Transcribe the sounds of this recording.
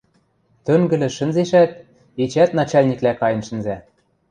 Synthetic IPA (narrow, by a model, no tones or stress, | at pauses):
t̪øŋɡɘ̆lɘ̆ʃə̆nzeʃæt̪̚ | et͡ɕæt̪nɑt͡ɕɑlʲnʲiklækɑjɤ̆nʃə̆nzæ